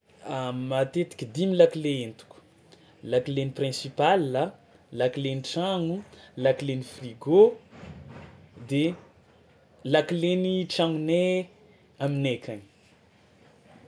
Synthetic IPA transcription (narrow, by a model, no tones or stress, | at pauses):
amat̪et̪i̥kʲid̪imilakileent̪u̥ku̥ | lakileniprɛ̃sipalːa | lakileniʈ͡ʂaŋulakilenifriɡo | d̪e | lakileniʈ͡ʂaŋne | aminekʰʲan